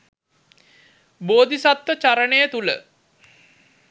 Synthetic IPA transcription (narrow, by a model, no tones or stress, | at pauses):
boːd̪isat̪ʋət͡ʃaɾənəjət̪ulə̰